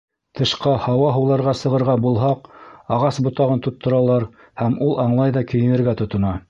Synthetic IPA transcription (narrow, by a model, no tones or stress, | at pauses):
t̪ʰɤ̆ʃqɑhɑwɑɦɤ̆wlˠɑɾʁɑsɤ̆ʁɤ̆ɾʁɑbulˠɦɑqɑʁɑsbŏt̪ɑʁɤnt̪ŭt̪ʰːɤ̆ɾɑlˠɑɾ | hæmulˠʔɑɴlˠɑjðɑkɘ̆jɘ̆nɘ̆ɾɡæt̪ŏt̪ŏnɑ